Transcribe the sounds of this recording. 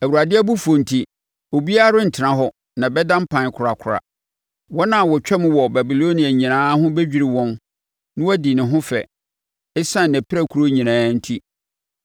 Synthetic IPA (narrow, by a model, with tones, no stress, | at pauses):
æ˨wu˨ɾa˨dɪ˦æ˦bu˦fu˨o˨n̩˨tʰi˦ | o˨bi˦a˦ɾʊ˦n̩˨tʰɪ˨ɾã˦ɦɔ˦ | nã˨bɛ˦dã˦m̩˦pʰã˨n˨kʰʊ˨ɾa˨kʰʊ˨ɾa̰˨ | wɔ˦nã˨wɔ˨t͡ɕᶣɛ˦mʊ̃˦wɔ˨bæ˨bi˨lo˦nĩ˨a˨ɲĩ˨nãː˦ɦʊ̃˦bɛ˦d͡ʑᶣi˨ɾɪ˨wɔ̃˦n | nʊ̃˦wæ˦di˨nɪ̃˨ɦʊ̃˦fɛ̰˨ | ɛ˦sã˦˨næ̃˨pʰɪ˦ɾæ˦˨kʰu˨ɾo˦ɲĩ˨nãː˨˦n̩˦tʰi˦